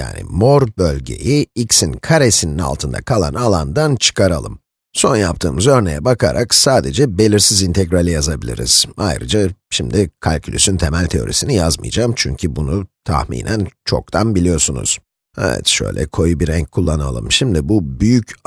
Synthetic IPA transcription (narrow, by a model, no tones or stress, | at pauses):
ja̰ːnɪ̰moɾbølʲɟe̞̰jiicsinkʰaɾesinina̰lˠt̪ʰɯnd̪a̰kʰalˠa̰nalˠand̪ant͡ʃʰɯ̥kʰaɾalˠɯm | so̞njap̚t̪ʰɯːmɯzø̞ɾne̞̰jɛbakʰaɾʔaksaːd̪e̞d͡ʒɛbe̞lʲiɾsizint̪ʰɛɡɾalʲijazabilʲḭɾḭz̥a̰jɾɯ̰d͡ʒaʃimd̪ikʰalʲcʰylʲysynt̪ʰe̞mælʲt̪ʰe̞o̞̰ɾḭsinijazmɯ̰jd͡ʒaːmt͡ʃʰyɲcʰybunut̪ʰa̰hmḭːnʔænt͡ʃʰo̞k̚t̪ʰanbilʲijo̞sunṵz̥ | ɛ̰vɛ̰t̪ʃø̰jlʲɛ̰kʰo̞jubiɾɛɲc̚kʰːulˠːana̰lˠɯ̰mʃimd̪ibubyjyc